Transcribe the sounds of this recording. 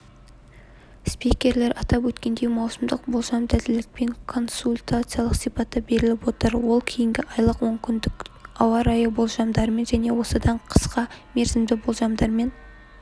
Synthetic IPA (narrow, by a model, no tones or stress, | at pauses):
spikʲe̞ɾle̞ɾɑt̪ɑpwɵt̪kʲe̞nd̪e̞jmɑwsəmd̪əq̚bo̞lˠʒɑmd̪æd̪ɪlɪk̚pe̞ŋkʰo̞nsulʲt̪at̪sɨjalˠəqsijpɑt̪ːɑbe̞ɾɪlɪpwo̞t̪əɾwo̞lˠkʲʰe̞jɪŋɡʲɪʔɑjlˠəqwo̞ŋkʲɪnd̪ɪkɑwɑɾɑjəbo̞lˠʒɑmd̪ɑɾme̞nʒæne̞wo̞səd̪ɑɴqʰə̥sqɑme̞ɾzɪmd̪ɪbo̞lˠʒɑmd̪ɑɾme̞n